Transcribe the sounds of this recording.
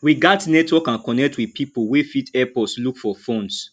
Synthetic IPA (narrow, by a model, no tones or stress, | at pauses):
wiɡatnɛtwɔkãnkɔnɛk̚tʰwipʰipuwefitɛpɔslukfɔfõns